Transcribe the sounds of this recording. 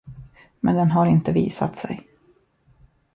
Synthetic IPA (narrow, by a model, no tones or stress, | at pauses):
mɛnd̪ɛnɦaɾɪnt̪əviːsa̰t̪sɛ̰j